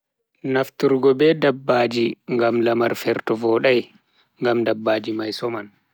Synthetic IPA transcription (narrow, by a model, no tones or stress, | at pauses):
naftuɾɡɔbɛdabːaːd͡ʒiŋɡamlamaɾfɛɾtɔvɔːɗaj | ŋɡamdabːaːd͡ʒimajsɔman